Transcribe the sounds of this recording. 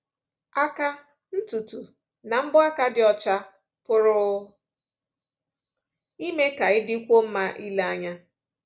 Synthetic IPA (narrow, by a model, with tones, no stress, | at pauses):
a˦ka˦ | n̩˦tu˨tu˨ | na˨m̩˦bʊ˦a˦ka˦dɪ˨ɔ˨t͡ʃa˦ | pʊ˦ɾʊ˦ | i˦me˦ka˨ɪ˦dɪ˦kʷo˦m̩˦ma˦ʔi˦la˦ɲa˦